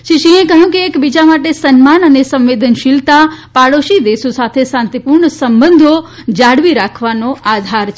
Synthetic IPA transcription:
ʃiʃĩẽkəɦũkeːkbid͡ʒamaʈesənmanənesə̃mʋed̪ənʃilt̪apaɽoʃid̪esosat̪ʰesãnt̪ipuɾɳəsəmbənd̪ʱo | d͡ʒaɽʋiɾakʰʋanoad̪ʱaɾt͡ʃʰ

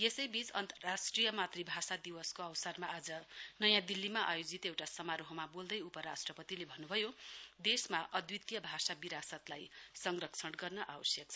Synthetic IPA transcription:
jesʌjbit͡sʌnt̪ʌrːasʈrijʌmat̪ribʱasad̪iwʌskoawsʌrmaʔad͡zʌnʌjãd̪ilːimaʔajod͡zit̪ewʈasʌmaɾoɦomabold̪ʌjupʌɾasʈrʌpʌt̪ilebʱʌnːubʱʌjod̪esmaʔʌd̪wit̪jʌbʱasabiɾasʌt̪lajsʌŋrʌkt͡sʰʌɽɡʌrnʌʔawʌsjʌk̚t͡sʰʌ

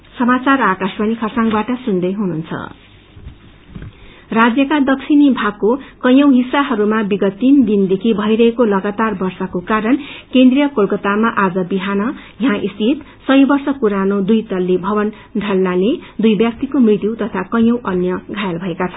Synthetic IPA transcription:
sʌmat͡sarakaspʌnikʰʌsãŋbaʈʌsund̪ʌjɦununt͡sʰʌ̰ | rad͡zjʌkad̪ʌkt͡sʰinibʱakːokʌj̃ʌwɦisːaɦʌɾumabiɡʌt̪ːind̪ind̪ekʰibʱʌiɾʌɦekolʌɡat̪arbʌrsʌkokaɾʌnkend̪rijʌkolkʌt̪amaʔad͡zʌbiɦanʌ | jɦãʔist̪it̪ | sʌjbʌrsʌkuɾanod̪ujt̪ʌlːebʱʌbʌn | ɖʱʌlnaled̪ujbjʌk̚t̪ikomrit̪juwt̪ʌt̪ʰakʌj̃ʌwʔʌnjʌɡʱajalbʱʌekat͡sʰʌn

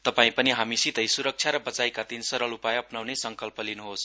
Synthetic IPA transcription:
t̪ʌpaĩpʌniɦamisit̪ʌjsuɾʌk̚t͡ʃʰjaɾʌbʌt͡sajkat̪insʌɾʌlupajʌpnawnesʌŋkʌlpʌlinuɦos

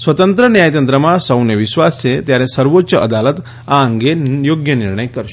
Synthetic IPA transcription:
sʋət̪ənt̪ɾənjajt̪ənt̪ɾəmasəwnjəʋiɕʋast͡set̪jaɾẽsəɾʋotːɕəʔəd̪alət̪ | aːŋɡejoɡjəniɾɳəjkəɾ

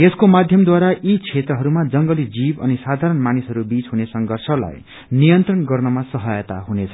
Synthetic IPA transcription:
eskomad̪ʱjʌmd̪waɾait͡sʰet̪ɾʌɦʌɾumad͡zʌŋɡʌlid͡zibʌ̰nisad̪ʱaɾʌnmanisɦʌɾubit͡sɦunesʌŋɡʱʌrsʰʌla̰j | nijʌnt̪rʌnɡʌrnʌmasʌɦʌjʌt̪a̰ɦunet͡sʰʌ̥

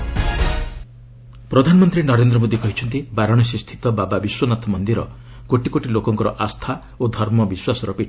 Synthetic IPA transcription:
pɾɔd̪ʱanɔmɔnt̪ɾinɔɾend̪ɾɔmod̪ikɔɦit͡ʃʰɔnt̪ibaɾɔɽ̃ɔs̬ist̪ʰi̥t̪ɔbababiswɔnat̪ʰɔmɔnd̪iɾɔ̰ | koʈikoʈilokɔŋkɔɾɔʔast̪ʰa | od̪ʱɔɾmɔbiswasɔɾɔpiʈʰ

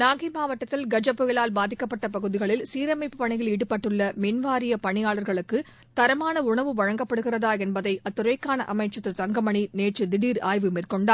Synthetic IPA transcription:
naːɣimaːʋɐʈːɐt̪ːɪlɡɐd͡ʒɐpːɔjɪlaːlbaːðɪkːɐpːɐʈːɐpɐɣɯðɪɣɐɭɪlsiːɾɐmɐɪpːɯpɐɳɪjɪliːɽɯpːɐʈːɯɭːɐmɪnʋaːɾɪjɐpɐɳɪjaːɭɐɾɣɐɭɯkːɯ | t̪ɐɾɐmaːnɐʊɳɐʋɯʋɐɻɐŋɡɐpːɐɽɯɣɪrɐðaːɛnbɐðɐɪʔɐt̪ːɯɾɐɪkːaːnɐ̰ʔɐmɐɪt͡ʃːɐt̪ːɯt̪ɐŋɡɐmɐɳineːʈt͡ʃːɯd̪ɪɽiːɾa̰ːjʋɯmeːrkɔɳɖaː

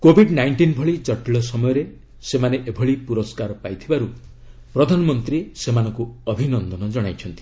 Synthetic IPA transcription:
kobʱiɖnajɳʈinbʱɔɭit͡ʃɔʈiɭɔsɔmɔjɔɾe | semaneʔebʱɔɭipuɾɔskaɾɔpajt̪ʰibaɾu | pɾɔd̪ʱanɔmɔnt̪ɾisemanɔŋkuɔbʱinɔnd̪ɔnɔd͡ʒɔɽ̃ajt͡ʃʰɔnt̪i̥

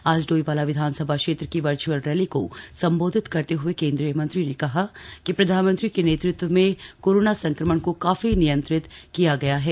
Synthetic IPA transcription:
aːd͡ʒɖoːiʋaːlaʋɪd̪ʱaːnsɐbʱakʃeːt̪ɾəkiʋɐɾt͡ʃuəlɾɛːliko̰sɐ̃mboːd̪ʱɪt̪kɐɾt̪eɦʊekẽːnd̪ɾijəmɐ̃nt̪ɾinekɐɦakipɾɐd̪ʱaːnmə̃nt̪ɾikeneːt̪ɾɪt̪ʋəmẽkoːɾoːnasɐ̃ŋkɾəməɳkokaːfinijə̃nt̪ɾɪt̪kijaɡɐjaɦɛː

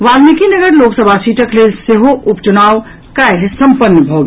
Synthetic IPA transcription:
ʋaːlnikinɐɡəɾloːksəbʱasiːʈəkleːlseɦoʔʊpt͡ʃunaːʋ | kajlsɐ̃mpənːəbʱoːɡ

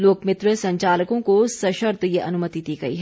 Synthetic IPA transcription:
loːkmɪt̪ɾəsɐ̃ɲt͡ʃaːləkõkosɐʃəɾt̪jeʔɐnʊmət̪id̪iːɡɐḭɦɛ

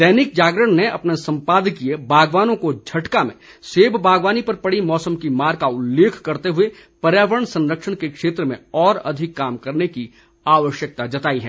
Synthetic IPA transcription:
d̪ɛːnɪk̚d͡ʒaːɡɾəɽ̃neɐpnesɐ̃mpaːd̪ʱkiebʱaːɡʋaːnõkod͡ʒʱɐʈkamḛ̃ | seːbbʱaːɡʋaːnipɐɾpɐɽimɔːsəmkimaːɾkaʊlːeːkʰkɐɾt̪eɦʊe | pɐɾjaːʋəɾəɳsɐ̃nɾəkʃəɽ̃kekʃeːt̪ɾəmḛ̃ɔːɾɐ̰d̪ʱɪkːaːmkɐɾneki | aːʋəʃjək̚t̪ad͡ʒɐt̪aːiɦɛː

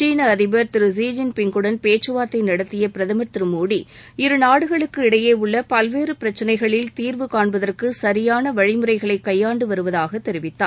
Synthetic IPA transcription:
t͡ʃiːnɐːðɪbɐɾt̪ɪɾɯziːd͡ʒɪnpɪŋɡɯɽɐnpeːt͡ʃːɯʋaːɾt̪ɐɪnɐɽɐt̪ːɪjɐpɪɾɐðɐmɐɾt̪ɪɾɯmuːɽi | ɪɾɯnaːɽɯɣɐɭɯkːɯɪɽɐjeːʊɭːɐpɐlʋeːɾɯpɪɾɐt͡ʃːɐnɐɪɣɐɭɪlt̪iːɾʋɯkaːɳbɐðɐrkɯsɐɾɪjaːnɐʋɐɻɪmɯɾɐɪɣɐɭɐɪkːɐjːaːɳɖɯʋɐɾɯʋɐðaːɣɐt̪ːɛɾɪʋɪt̪ːa̰ː

